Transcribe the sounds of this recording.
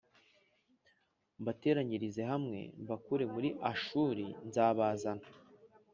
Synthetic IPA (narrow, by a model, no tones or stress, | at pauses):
bate̞ːɾaɲiɾize̞ɦamŋe̞̰βakuɾe̞muɾiʔaʃuːɾinzaːβaːzana